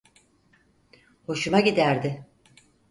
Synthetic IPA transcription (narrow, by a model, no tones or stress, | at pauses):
ho̞ʃumaɟid̪æɾd̪ɪ